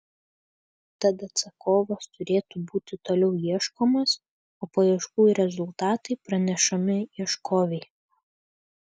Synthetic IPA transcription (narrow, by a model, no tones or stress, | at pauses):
t̪ɐt̪ɐt̪sɐkoːʋost̪ʊɾʲeːt̪uːbuːt̪ʲɪt̪oːlʲɛʊjiɛʃkoːmos | oːpoiɛʃkuːjɾʲɛzʊlˠt̪ɑːt̪ɐɪpɾɐnʲɛʃɐmʲɪiɛʃkoːʋʲɛɪ